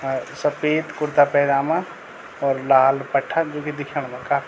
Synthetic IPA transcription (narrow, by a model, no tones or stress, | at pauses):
sɐpeːt̪kʊɾt̪apɛːd̪aːmã | ɔːɾlaːlpəʈʰːad͡ʒoːked̪ɪkʰəɽ̃mãkaːfi